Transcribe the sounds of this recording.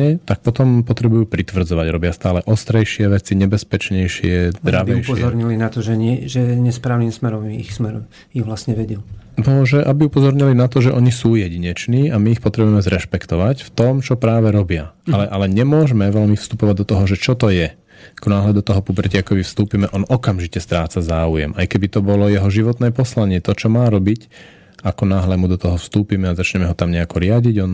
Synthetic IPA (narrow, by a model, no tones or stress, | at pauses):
ɛt̪ak̚pɔt̪ɔmpɔt̪ɾɛbujuːpɾit̪ʋr̩d͡zɔʋaɟɾɔbɪast̪aːlɛʔɔst̪ɾɛjʃɪɛʋɛt͡siɲɛbɛspɛt͡ʃɲɛjʃɪɛd̪ɾaʋɛjʃɔɾɲilinat̪ɔʒɛɲɪɛʒɛɲɛspɾaːʊnimsmɛɾɔmixsmɛɾɔm | iʋlasɲɛʋɛɟunɔʒɛʔabiupɔzɔɾɲilinat̪ɔʒɛʔɔɲisuːjɛɟiɲɛt͡ʃniːamiːxpɔt̪ɾɛbujɛmɛzɾɛʃpɛkt̪ɔʋacft̪ɔmt͡ʃɔpɾaːʋɛɾɔbɪaʔalɛʔalɛɲɛmʊɔʒmɛʋɛlmifst̪upɔʋaɟ̚d̪ɔt̪ɔɦɔʒɛt͡ʃɔt̪ɔjɛ | akɔnaːɦlɛd̪ɔt̪ɔɦɔpubɾ̩cɪakɔʋifst̪uːpimɛʔɔnɔkamʒicɛst̪ɾaːt͡sazaːujɛ̰mʔajkɛbit̪ɔbɔlɔjɛɦɔʒiʋɔt̪nɛːpɔslaɲɪɛt̪ɔt͡ʃɔmaːɾɔbic | akɔnaːɦlɛmud̪ɔt̪ɔɦɔfst̪uːpimɛazat͡ʃɲɛmɛɦɔt̪amɲɛakɔɾɪaɟiɟɔn